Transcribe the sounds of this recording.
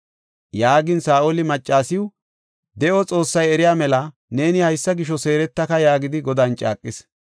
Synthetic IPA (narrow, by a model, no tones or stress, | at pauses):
jaːɡɪnsaːʔolɪmɐt͡ʃʼːaːsɪw | d̪ɛʔɔt͡sʼo̞ːsːɐjɛɾɪjaːmɛlɐ | ne̞ːnɪhɐjsːɐɡɪʃ̬ɔse̞ːɾɛt̪ːɐkɐjaːɡɪd̪ɪɡɔd̪aːnt͡ʃʼa̰ːkʼːɪs